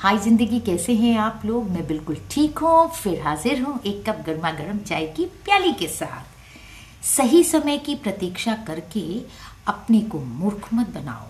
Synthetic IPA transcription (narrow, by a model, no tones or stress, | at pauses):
haːizɪ̃nd̪əɡikɛːseɦɛ̃aːploːɡmɛ̃bɪlkʊlʈʰiːkɦũfɪɾɦaːzɪɾɦũʔeːkːɐp̚ɡɐɾmaɡɐɽəmd͡ʒaːikipjaːlikesa̰ːt̪ʰ | sɐɦisɐməjkipɾɐt̪iːkʃakɐɾke | ɐpnekomʊɾkʰmət̪̚bɐna̰ːõ̰ː